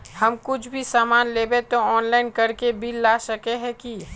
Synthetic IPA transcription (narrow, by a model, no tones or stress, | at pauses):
hɐmkʊt͡ʃʰbʱisaːmaːnleːbet̪oɔːnlaːɪnkəɾkebʱilːasəkeɦɛ̃ki